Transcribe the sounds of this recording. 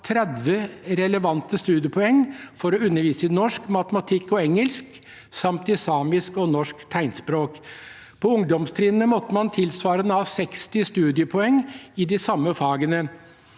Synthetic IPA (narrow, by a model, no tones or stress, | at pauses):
t̪ʰɾɛd̪ʋəɾɛləʋɑnt̪əst̪ʉːd̪ɪəpʰɔɛŋːfɔɾɔʉnːəɾʋiːsənɔʂkmɑt̪əmɑt̪ʰɪkːɔɛŋəlsk | sɑmt̪ɪsɑːmɪskɔnɔʂkt̪ʰæɪnspɾoːk | pʰɔʊŋd̪ɔmst̪ʰɾiːnnəmɔt̪ːəmɑnt̪ʰɪlsʋɑːɾənəɑːsɛkst̪ɪst̪ʉːd̪ɪəpʰɔɛŋɪd̪ɪsɑmːəfɑːɡənə